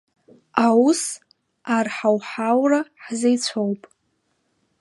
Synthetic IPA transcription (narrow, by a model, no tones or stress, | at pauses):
awus | arħawħawraħzejt͡sʷʰowpʼ